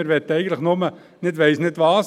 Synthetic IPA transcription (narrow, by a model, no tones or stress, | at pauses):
ɪɾʋɛt̪ːəɛɪɡən̩tləχnʊmə | nɪdʋɛɪsnɪdʋɑːs